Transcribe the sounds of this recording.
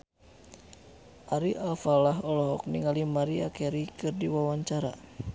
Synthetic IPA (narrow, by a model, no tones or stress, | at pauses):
ʔaɾiʔalfalaɦɔlɔɦɔk̚niŋalimaɾiakɛɾikɨrdiwawaɲt͡ʃaɾa̰